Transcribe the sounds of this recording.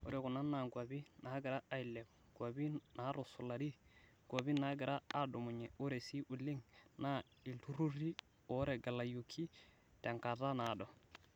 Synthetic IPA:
ṵ˦ɾɛ˨ku˨na˦na˨ŋɡwa˨bi˦na˦ɡɪ˨ɾa˦ʔa˨i˨lɛ˨b | ɡ̥wa˨bi˦na˨˦ɾu˨su˨la˨ɾi˦ | ɡ̥wa˨bi˦na˨˦ɡɪ˨ɾa˦a˨do˨mu˨ɲɛ˨u˦ɾe˨si˦ʔu˨li˦ŋna˦ | i˨ltu˦ɾu˦ɾi˦ | ɔ˨˦ɾɛ˨ɡa˨la˨ju˨kʰːi˦ | tɛ˨ŋka˨ta˦na˨dɔ˨

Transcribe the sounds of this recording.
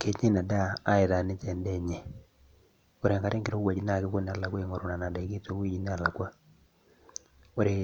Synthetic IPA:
ke˨ɲe˦na˨daː˦e˨ða˨nɪ˦t͡ʃɛ˨ndɛ˦ɲe˨ | o˦ɾe˨ŋka˨ɾe˦ŋkɪ˨ɾo˦wa˨d͡ʒi˦na˦˨kɪ˦ko˦n˦a˨la˨kwa˦i˨ŋo˨ɾo˨na˨na˨da˨˦ki˦to˦wi˦d͡ʒi˨n˦a˨la˨kwa˦ | o˦ɾe˨

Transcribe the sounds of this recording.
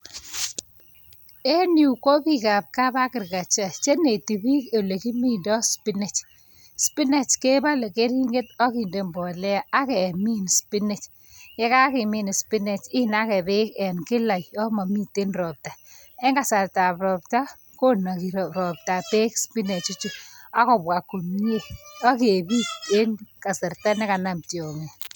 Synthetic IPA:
e˦nju˨ko˦pi˦ka˨p̚ka˦ba˦kɪ˨ɾka˨t͡ʃa˨t͡ʃe˦ne˨ti˨bi˦ke˨le˨ki˦mi˦˨ndɔ˦spi˦ne˨t͡ʃ | spi˦ne˦˨t͡ʃke˦ba˦le˨ke˦ɾi˦ŋɡe˦tɔ˦ki˨nde˨mbɔ˨lɛ˦a˦kɛ˨mi˦n˨spi˦ne˨t͡ʃ | kɛ˦ka˦kɪ˨mɪ˨n˨spi˦ne˨t͡ʃɪ˦na˦kɛ˨bɪ˦kɛ˨nkɪ˦la˨jɔ˦ma˨mi˦te˦nɾɔ˨p̚ta˨ | ɛ˦ŋka˨sa˨ɾta˨pɾɔ˨pta˦ | ko˦na˨ki˨ɾɾɔ˨p̚ta˨pe˦kspi˦ne˨t͡ʃʊ˦t͡ʃʊ˦˨a˦kɔ˨bwa˨ko˨m˦e˦˨ɔ˦k̬e˨bi˦e˦nka˨sɛ˨rta˦nɛ˦ka˨na˨mtjɔ˨ŋe˨

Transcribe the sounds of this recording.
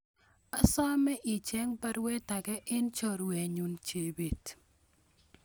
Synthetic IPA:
a˦sa˦mɛ˦ʔi˨t͡ʃɛ˦ŋpa˦ɾwɛ˦ta˨kɛ˦ʔɪ˦nt͡ʃɔ˦˨ɾwɛ˨ɲu˨nt͡ʃe˨be˨t

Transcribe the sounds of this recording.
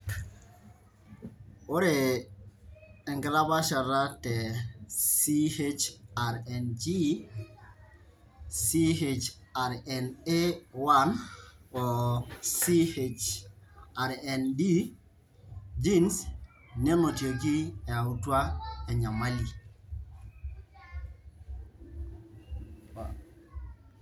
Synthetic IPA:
o˦ɾe˨ | ɛ˨ŋɡɾa˦ba˦ʃa˨ɾa˦tɛ˨si˦he˦t͡ʃa˨ɾɛ˨nd͡ʒi˦ | si˦ɦe˨t͡ʃa˨ɾɛ˨ne˦wa˦nɔ˨siet͡ʃ | aɾɛndi˦ | d͡ʒins | nɛ˦no˨tjo˨ɡi˦ɛ˨a˨u˦twa˦ɛ˨ɲa˨mali˨

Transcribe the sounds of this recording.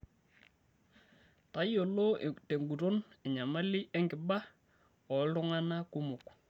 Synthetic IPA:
ta˦jo˨lo˦te˨ŋɡu˨to˦nɛ˨ɲa˨ma˦lɪ˦ʔɛ˦ŋɡɪ˨ba˦ | ɔ˨tʊ˦ŋa˦na˦ku˦mʊ˨k

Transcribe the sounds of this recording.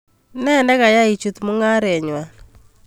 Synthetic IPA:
nɛ˦˨ndɛ˦ka˨ja˦i˨t͡ʃu˨t̪mu˦ŋa˦ɾɛ˨ɲwa˨

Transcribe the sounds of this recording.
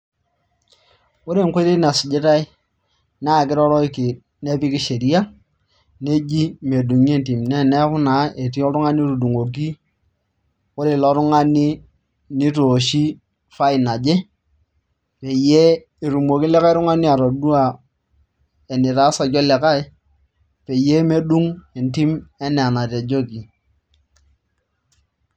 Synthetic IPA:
ʊ˦ɾe˦˨ŋ˦ke˦ti˦na˨si˨d͡ʒɪ˦ta˦i˦ | na˦˨k̬ɪ˦ɾɔ˦ɾɔ˦ki˨ | ne˦pi˦ki˦ʃe˨ɾi˦a˦ | ne˦d͡ʒi˦me˨du˨ŋ˦e˦n˨ti˨m˨nɛ˦˨nɛ˦kʊ˦na˨˦e˨ti˦ɔ˦ɾu˦ŋa˦ni˦ɾu˨du˨ŋo˨k̬i˦ | ʊ˦ɾe˦˨lɔ˦ɾu˦ŋa˦ni˦ | ni˦to˨ʃi˦ | fa˦i˨na˨d͡ʒe˦ | pe˨je˦ | i˨ɾu˨mo˨ki˦lɛ˦ka˦i˦ɾu˦ŋa˦ni˦a˨ɾo˨du˦a˨ | e˨ni˨ɾaː˦sa˨d͡ʒɔ˦lɛ˨ka˦j | pe˨je˦me˦du˦ŋe˨nti˦mɛ˦nɛ˨na˨te˨d͡ʒo˦ki˨

